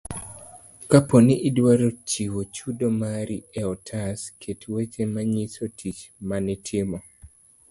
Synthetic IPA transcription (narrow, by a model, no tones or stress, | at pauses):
kaponiʔːdwaɾot͡ʃiwot͡ʃudomaɾiɛɔtʰaskʰetwet͡ʃemaɲisotʰit͡ʃmanɪtʰɪmɔ